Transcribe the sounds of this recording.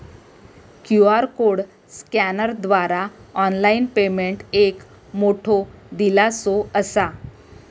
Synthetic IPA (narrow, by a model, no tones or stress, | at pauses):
kjuaɾkoɽ | skænəɾd̪ʋaɾaɔnlainpemeɳʈek | moʈʰod̪ilasoəsa